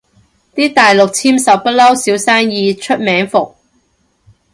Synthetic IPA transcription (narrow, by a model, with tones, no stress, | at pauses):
t̪iː˥t̪aː˨jlʊ˨k̚t͡sʰiː˥msɐ˨˩wpɐ˥t̚lɐ˥wsiː˨˥wsaː˥ŋjiː˧t͡ʃʰɵ˥t̚mɛː˨˥ŋfʊ˨k̚